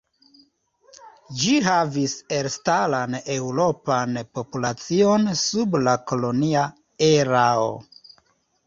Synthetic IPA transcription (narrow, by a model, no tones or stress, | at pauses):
d͡ʒiɦavise̞ɾstalane̞wɾo̞panpo̞pulat͡sio̞nsublako̞lo̞nia | eɾao̰